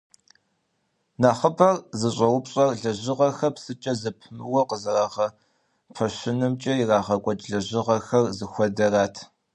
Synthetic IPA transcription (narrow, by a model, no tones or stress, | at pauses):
naːχəbɐrzɨɕʼɐwʊpɕʼɐrɮɐʑɪʁɐxɐpsɨt͡ʃʼɐzɐpʰmɨwɐqəzɐraːχɐ | pʰɐɕɪnɨmt͡ʃʼɐiraːʁɐkʷʼɔt͡ʃʼɮɐʑɪʁɐxɐrzɨxʷɔdɐraːtʰ